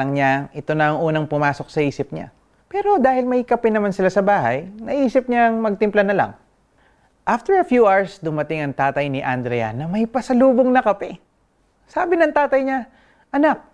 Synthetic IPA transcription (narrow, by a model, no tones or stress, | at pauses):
ɐŋɲaʔɪt̪o̞nɐɐŋʔuːnɐŋpʊmaːso̞k̚sɐʔiːsɪp̚ɲa̰ | pɛːɾo̞d̪aːhɪlmɐjkɐpɛnɐmansɪlasɐbaːɦɐ̰jnɐʔiːsɪp̚ɲaɐŋmɐɡ̚t̪ɪmplanɐla̰ŋ | ʔaft̪ɛɹɐfjuʔaɹsd̪ʊmɐt̪ɪŋɐŋt̪aːt̪ɐjnɪʔand̪ɾɛjɐ̰nɐmɐjpɐsɐluːboŋnɐkɐpɛ | saːbɪnɐŋt̪aːt̪ɐjɲa | ʔɐnak̚